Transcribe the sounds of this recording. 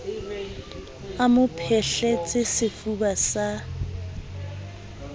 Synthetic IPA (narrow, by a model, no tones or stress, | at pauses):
amʊpʰɛɬɛt͡sʼɪsɪfubasa